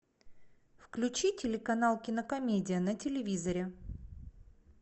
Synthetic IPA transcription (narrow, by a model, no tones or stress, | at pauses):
fklʲʉt͡ɕitʲɪlʲɪkɐnalˠkʲɪnəkɐmʲedʲɪjənətʲɪlʲɪvʲizəɾʲɪ